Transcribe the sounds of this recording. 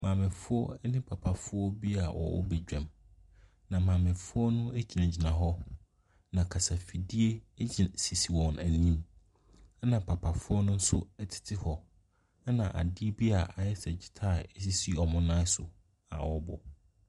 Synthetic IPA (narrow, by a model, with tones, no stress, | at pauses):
mã˨mɪ̃˨fʊ˦ɔ˦nɪ̃˦pʰa˨pʰa˨fʊ˦ɔ˦bi˦a˨wɔ̰˨wɔ̰˦bɛ˨d͡ʑᶣɛ̃˨m | nã˨mãː˨mɪ̃˨fʊ˦ɔ˦nʊ̃˦æ˦d͡ʑi˨nã˨d͡ʑɪ˨nã˨ɦɔ˦ | nã˨kʰa˨sa˨fi˨di˦e˦d͡ʑɪ˨n˨si˨si˨wɔ̃˨næ˨nĩ˦m˦ | nã˨pʰa˨pʰa˨fʊ˦ɔ˦nʊ̃˦n̩˦sʊ˦ɛ˦tʰɪ̥˨tʰɪ˦hɔ˨˦ | nã˨ʔa̰˨dɪ˦bi˦a˨ʔa˨jɛ˦sɛ˨d͡ʑi˨tʰa˦˨ɛ˦s̬i˦si˦ɔ˨mʊ̃˦nãː˦sʊ˨ | a̰˨wɔ˨bɔ̰˨